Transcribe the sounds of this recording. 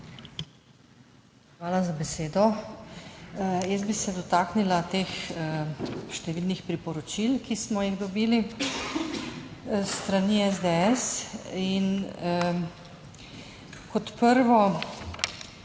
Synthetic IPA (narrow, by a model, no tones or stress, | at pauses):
xʋaːlazabɛseːd̪ɔ | jɛsbisɛd̪ɔt̪aːknilat̪ex | ʃt̪ɛʋiːlnixpɾipɔɾɔt͡ʃilkismɔjiɣd̪ɔbiːli | st̪ɾaniɛzd̪eɛsin | kɔt̪pəɾʋɔ